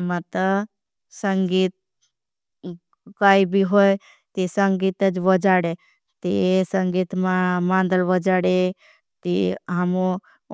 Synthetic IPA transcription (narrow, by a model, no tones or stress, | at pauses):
mãt̪ə | səŋɡiːt̪̚ | kaːibʱiɦoj | t̪esəŋɡiːt̪əd͡ʒʋəd͡ʒaːɽe | t̪esəŋɡiːt̪mãmãːnd̪əlʋəd͡ʒaɽe | t̪iəmo